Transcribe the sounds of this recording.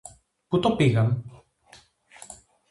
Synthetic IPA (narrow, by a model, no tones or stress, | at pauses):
put̪opiɣɐm